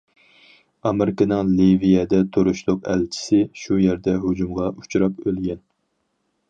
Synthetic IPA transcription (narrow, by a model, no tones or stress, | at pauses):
ɑmeɾɪkɑnɨŋlivijɛd̪ɛt̪ʰoɾuʃlˠʊqæ̰lt͡ʃʰi̥sɪʃujɛɾd̪ɛɦod͡ʒumʁɑʔu̥t͡ʃʰɾɑpølɡʲɛn